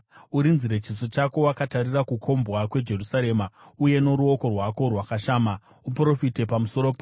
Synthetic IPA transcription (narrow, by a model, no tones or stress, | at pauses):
uɾinziɾe̞t͡ʃisot͡ʃako̞wakatarirakukʰo̞mbɣakwe̞d͡ʒe̞rusaɾe̞ːmauje̞no̞ɾuo̞ko̞rwako̞rwakaʃaːma | upro̞fite̞pamuso̞ɾo̞pa